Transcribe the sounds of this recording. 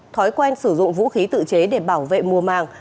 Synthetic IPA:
t̪ʰɔ˨˦jkwɛ˧nsɨ˧˩zʊ̰˧˨ŋ͡mvṵ˧˥xi˨˦t̪ɨ̰˧˨t͡ɕe˨˦ɗe˧˩ɓaː˧˩wvḛ˧˨mu˨˩əmaː˨˩ŋ

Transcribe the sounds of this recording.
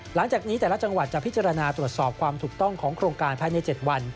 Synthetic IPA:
la˩˦ŋt͡ɕaː˨˩k̚ni˦˥t̪ɛː˨˩la˦˥t͡ɕa˧ŋwa˨˩t̪̚t͡ɕa˨˩pʰi˦˥t̚t͡ɕa˧ɾa˧naː˧t̪ɾu˨˩ət̪̚sɔː˨˩p̚kʰwaː˧mt̪ʰuː˨˩k̚t̪ɔ˥˩ŋkʰɔː˩˦ŋkʰɾoː˧ŋkaː˧npʰaː˥˩jna˧jt͡ɕe˨˩t̪̚wa˧n

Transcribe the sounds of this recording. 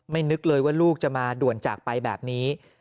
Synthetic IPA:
ma˥˩jnɯ˦˥k̚lɤː˧jwaː˥˩luː˥˩k̚t͡ɕa˨˩maː˧du˨˩ənt͡ɕa̰ː˨˩k̚pa˧jbɛ̰ː˨˩p̚niː˦˥

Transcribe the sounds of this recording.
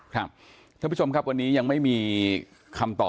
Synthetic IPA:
kʰɾa˦˥˩p̚ | kʰa˥˩˨u˦˥˩t͡ɕʰo˧mkʰa˦˥p̚wa˧nːiː˦˥ja˧ŋma˥˩jmiː˧ | kʰa˧mt̪ɔː˨˩

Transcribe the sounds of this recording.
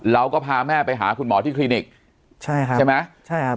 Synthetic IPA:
ɾa˧wkɔː˥˩pʰaː˧mɛː˥˩pa˧jɦa̰ː˩˦kʰu˧nmɔː˩˦t̪ʰiː˥˩liː˧ni˨˩k̚ | t͡ɕʰa˥˩jkʰt͡ɕa˥˩jma˦˥jt͡ɕʰa˥˩j

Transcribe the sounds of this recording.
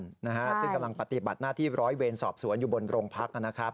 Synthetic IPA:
nna˦˥kʰa˦˥t̪ʰiː˥˩ka˧mla˧ŋpa˨˧t̪i˨˩ba̰˨˩t̪̚naː˥˩t̪ʰiː˥˩ɾɔː˦˥jweː˧nsɔː˨˩p̚su˨˩˦ənjuː˨˩bo˧nɾoː˧ŋpʰa˦˥k̚ʔa˧nːa˦˥kʰɾa˦˥p̚

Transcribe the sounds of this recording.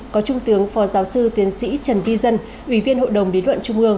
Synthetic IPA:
kɔ˨˦t͡ɕʊ˧ŋ͡mt̪ɨ˨˦əŋfɔ˨˦zaː˨˦wsɨ˧t̪i˨˦ənsḭ˧˥t͡ɕə˨˩nvi˧zə˧n | ʔwi˧˩vi˧ənɦo̰˧˨jɗə˨˩wŋ͡mɗi˨˦lwə̰˧˨nt͡ɕʊ˧ŋ͡mʔɨ˧əŋ

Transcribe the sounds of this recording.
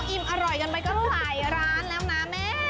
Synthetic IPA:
ʔi˧˩mʔa˧ɾɔ˨˩jka˧npa˧jkɔ˧wa˧˨˩jɾaː˦˥nlɛː˦˥wnaː˦˥me˦˥

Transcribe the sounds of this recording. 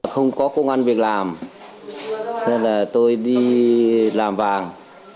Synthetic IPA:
xə˧wŋ͡mkɔ˨˦ko˧ŋ͡mʔa˧nvi˨˩ək̚laː˨˩m | sə˧laː˨˩t̪o˧jɗi˧ | laː˨˩mvaː˨˩ŋ

